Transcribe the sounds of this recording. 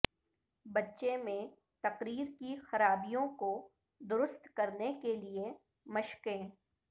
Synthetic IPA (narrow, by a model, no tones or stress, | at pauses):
bɐtːʃemẽ | t̪ɐqɾiːɾkixɐɾaːbijõko | d̪ʊɾʊst̪kɐɾnekelie | mɐʃkẽː